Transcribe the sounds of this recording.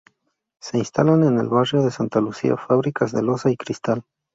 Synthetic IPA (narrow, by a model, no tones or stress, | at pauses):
se̞inst̪alane̞ne̞̰lβarjo̞ðe̞sant̪alusḭa̰faβɾikazðelosaikɾist̪al